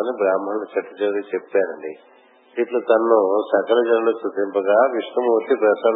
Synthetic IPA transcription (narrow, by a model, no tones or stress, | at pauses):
nibɾaːmːɐnlut͡ʃɐʈːɐd͡ʒɐɾit͡ʃepːaːɾɐɳɖi | d̪it̪loːt̪ɐnːusɐkɐlɐd͡ʒɐnɐlusut̪impɐɡaːʋiʂʋɐmuːt̪ipɾɐsa